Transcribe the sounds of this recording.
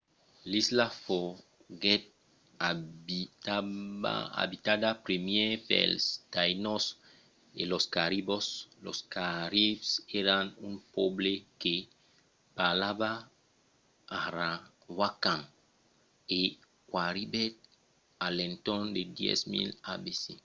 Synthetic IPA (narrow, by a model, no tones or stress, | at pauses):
lislafo | ɡet̪̚ | aa̰a̰bit̪ad̪apɾemjepḛlst̪ajnos | ḛloskaɾiboslo̰skaɾifseɾanũnpobleke | palaba | ɾa | wakãŋ | e | kwaɾibɛt̪̚ | alẽnt̪ɔ̃nd̪ed̪jɛ̰smḭlabese